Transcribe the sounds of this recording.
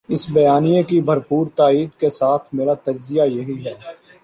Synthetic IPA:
ɪsbɐjaːnijekibʱɐɾpuːɾt̪aːiːd̪kesaːt̪ʰmeːɾat̪ɐɾzɪjajɐɦiɦɛː

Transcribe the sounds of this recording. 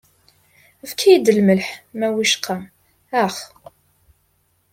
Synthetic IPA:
əvkʰijid̪əlməlħmæwiʃqʰɑm | æχ

